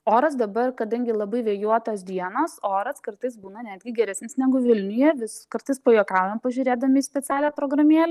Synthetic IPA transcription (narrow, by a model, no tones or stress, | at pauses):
oːɾɐs̬d̪ɐbɐrkɐd̪ɐŋʲɡʲɪlˠɐbɐɪʋʲeːjuɔt̪ɐːsd̪ʲiɛnoːsoːɾɐskɐɾt̪ɐɪsbuːnɐnʲæːd̪ʲɡʲɪɡʲɛɾʲɛsʲnʲɪsnʲæːɡʊʋʲɪlʲnʲɪjɛʋʲɪskɐɾt̪ɐɪspojoːkɑʊjɛmpɐʒʲʊɾʲeːd̪ɐmʲɪːsʲpʲɛt͡sʲæːlʲæːpɾoːɡɾɐmʲiɛlʲɛ